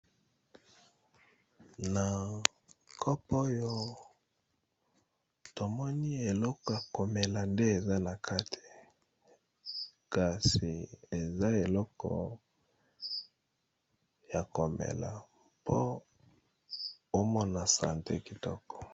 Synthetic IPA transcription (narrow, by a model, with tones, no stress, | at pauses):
na˨ | kʰɔ˦po˦jɔ˦ | to˨mɔ˦ni˦e˨lɔ˦kɔ˨ja˨ko˨me˨la˨nde˦e˨za˦na˨kʰa˦tʰi̥˨ | ka˨si˨e˨za˦e˨lɔ˦kɔ̰˨ | ja˨ko˨mḛ˨la̰˨ | pʰo˦ | o˦mɔ˦na˨sa̰˨ntḛ˦ki˨tɔ˦kɔ̥˨